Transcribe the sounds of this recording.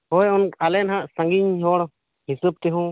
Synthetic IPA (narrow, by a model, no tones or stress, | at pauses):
hɔjɔnalɛnɦaʔsãŋɡiɲhɔɽ | hisup̚t̪ɛɦũ